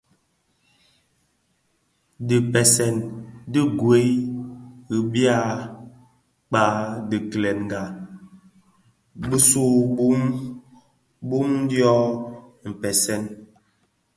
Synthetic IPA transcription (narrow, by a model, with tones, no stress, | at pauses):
di˨pɛ˨sɛ˨ndi˦ɡwe˨˦j | ɣi˨bja˦˨ | k͡pa˨˦di˨klɛ˨n˨ɡa˨ | bi˦su˦bu˦m | bu˦m˦djɔ˦m̩˨pɛ˨sɛ˦˨n